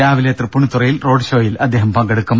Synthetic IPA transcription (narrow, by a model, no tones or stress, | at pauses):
aːʋilet̪rɐpːuɳut̪ːurɐjilro̞ːɖɨʂo̞ːjilɐd̪ːe̞ːɦɐmpɐŋɡɐɽukːum